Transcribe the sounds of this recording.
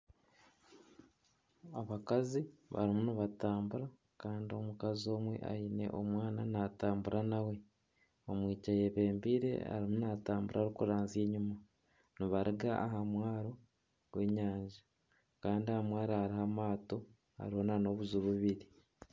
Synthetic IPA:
aβakaziβa̰ɾimuniβataːmbuɾa | kaːndio̞mukazio̞ːmwe̞̰ʔa̰ine̞̰ʔomwaːnanaːtaːmbuɾʔanawe̞ | omwiːcaje̞βe̞ːmbiːɾe̞̰a̰ɾimunataːmbuɾʔaɾikuɾaːnzie̞ːɲuma | niβaɾiɡaʔaɦamwaːɾo̞ | ɡwe̞ːɲaːɲʒa | kaːndiahamwaːɾahaɾihamaːto̞ | ha̰ɾiho̞nano̞βuzuβuβiɾi

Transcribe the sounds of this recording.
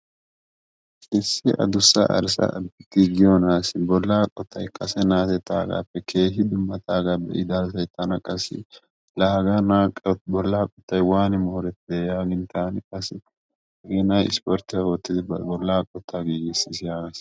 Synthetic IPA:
ʔɪsːɪʔɐ̰d̪ʊsːɐ̰ʔɐ̰ɾsɐ̰ɡiɡɪjɔnaːsɪbɔlːaːkʼɔt̪ːɐjkʼɐsɛnaːt̪ɛt̪ːaːɡa̰ːpːɛkʰe̞ːɦɪd̪ʊmːɐt̪ʰaːɡabɛ̰ʔɪd̪aːsɐjt̪ɐnɐkʼɐsːɪ̰ | laːɡanaːkʼbɔlːaːkʼɔt̪ːɐjwaːnɪmoːɾɛt̪ɪd̪ejaːɡɪnt̪aːnɪkʼɐsɪ | ɐɡɛnɐjɪ̰spɔɾt̪ɪɐwɔt̪ːɪd̪ɪbɔlːaːkʼɔt̪ʰːaɡiːɡɪsɪsjaːɡɐs

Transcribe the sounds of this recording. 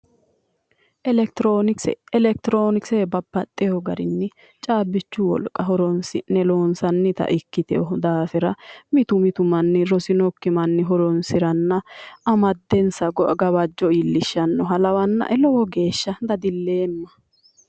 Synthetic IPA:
ɛoɛlɛk̚t̪ɾoːnɪksebɐbːɐt̪ʼːɛjɔɡɐɾɪnːɪ | t͡ʃʼaːbːɪt͡ʃːʊwɔ̰lkʼːɐɦɔɾɔnsɪ̰nɛlo̞ːnsɐnːɪt̪ɐ̰ʔɪkːɪt̪ɛ̰ɔd̪aːfɛɾɐmɪt̪ʊmɪt̪ʊmɐnːɪɾɔsɪnɔkːɪmɐnːɪɦɔɾɔnsɪɾɐnːɐɐmɐd̪ːɛnsɐɡɔɡɐbɐd͡ʒːɔilːɪʃːɐnːɔɦɐlɐwɐnːɐ̰ʔɛlɔwɔɡe̞ːʃːɐd̪ɐd̪ɪlːe̞ːmːɐ

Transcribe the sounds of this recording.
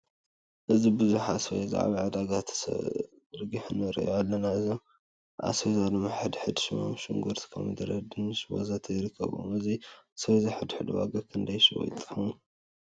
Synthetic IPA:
ʔɨzibɨzuħasojza̰ʕa̰βaʕad̪aɡat̪ʰsɐ̰ | ɨɾɡiħɨnɐɾɨ̰ʔjoalːɐnaɨzom | ʔa̰sejzalomaħɨd̪ħɨd̪ʃɪma̰mʃɨŋɡuɾt̪ʰi̥kʰɐ̰mɨd̪ɨɾɐd̪ɨnɨʃwo̰zat̪ʰɐjɪɾɨkʰːɐ̰βo̰mɨzisjzɨħɨd̪ħɨd̪ɨwa̰ɡɐkʰɨnd̪ɐjʃw̰j̰t̪ʼɨ̥ħɐm

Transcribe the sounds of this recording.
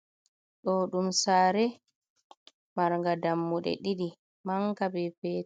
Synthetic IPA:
ɗɔɗumsaːɾɛ | maɾŋɡadamːuɗɛ̰ɗiɗi | maŋkabɛpɛː

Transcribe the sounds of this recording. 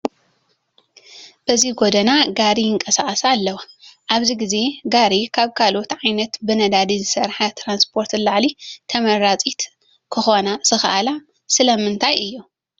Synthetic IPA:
b̥ɐziɡod̪ɐnaɡaɾijɨŋkʼɐsaʔʼɐsalːɐwaʔaβziɡize̞ɡaɾikʰaβkʰalot̪ʕajnɐt̪bɨnɐd̪ad̪izɨsɐɾħat̪ʰɾanspʰo̞ɾt̪laʕlit̪ʰɐmɐɾat͡sʼit̪ | kʰɨxo̞naz̥ɨxɐʔala | sɨlɐmɨnt̪ʰajʔɨjːu

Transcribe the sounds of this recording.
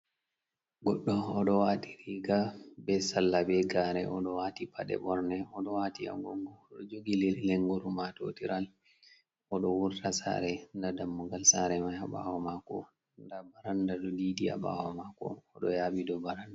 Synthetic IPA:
ɡɔɗːɔɔɗɔwaːtiɾiɡabɛsalːabɛɡaːɾɛʔɔɗɔwatipʰaɗɛ̰bɔɾnɛɔɗɔwaːtia̰ɡɔŋɡɔːɗɔd͡ʒoɡilileŋɡuɾumato̰tiɾʔal | ɔɗɔwuɾtasa̰ɾɛndadamːuɡalsaɾɛmaaɓa̰wɔmakɔ | ndabaɾandaɗɔdiːdia̰ɓa̰wɔ̰makɔ̰ːɗɔjaːɓidɔbaɾanda

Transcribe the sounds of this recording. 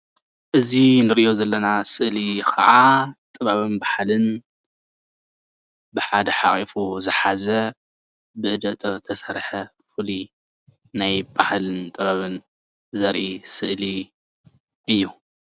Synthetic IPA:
ʔɨzinɨɾiʔjozɐlːɐnasɨʔlikʰɐ̰ʔat̪ʼɨβaβɨnbaħlɨn | bɨħad̪ɐħaχʼifuzɨħazɐ | bɨʔɨd̪ɐt̪ʼɐt̪ʰɐsɐɾħɐ | fɨli | najbahlɨnt̪ʼɨβaβɨn | zɐɾʔisɨʔli | ʔɨjːu

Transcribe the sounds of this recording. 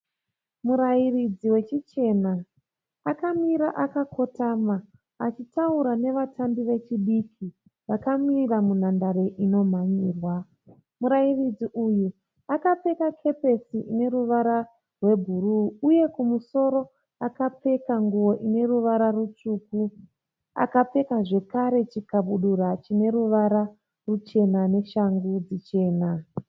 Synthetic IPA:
muɾajirid͡ziwe̞t͡ʃit͡ʃe̞naː | kamiɾaʔakakʰo̞tamaː | t͡ʃitauɾane̞ʋatʰambiʋe̞t͡ʃiɗikʰi | ʋakamiramun̤andaɾe̞ʔino̞m̤aɲiːrwa | muɾairid͡ziʔuju | akap͡fe̞kakʰe̞pe̞siʔine̞ɾuʋaɾa | rwe̞bʱuruːje̞kumuso̞ɾo̞ | akap͡fe̞kaŋɡuwo̞ʔine̞ruʋaɾarut͡ʂuːku | a̰kap͡fe̞kaʐe̞kaɾe̞t͡ʃikaɓuɗuɾat͡ʃine̞ɾuʋaɾa | rut͡ʃe̞nane̞ʃaŋɡud͡zit͡ʃe̞ːna

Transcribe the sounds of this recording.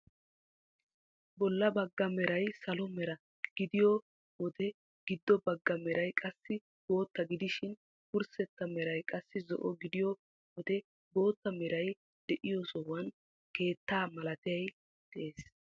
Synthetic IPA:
bɔlːɐbɐɡːɐmɛɾɐjsɐlɔmɛɾɐ | ɡ̥ɪd̪ɪjɔ | wɔd̪ɛ | ɡ̥ɪd̪ːɔbɐɡːɐmɛɾʔɐjkʼɐsːɪ | b̥o̞ːt̪ːɐɡɪd̪ɪʃɪn | kʊɾsɛt̪ːɐmɛɾɐjkʼɐsːɪzɔ̰ʔɔɡɪd̪ɪjɔ | wɔd̪ɛ | bo̞ːt̪ːɐmɛɾɐj | d̪̥ɛʔɪjɔsɔwɐn | ke̞ːt̪ːaːmɐlɐt̪ɪjɐj | d̪̥ɛʔeːs

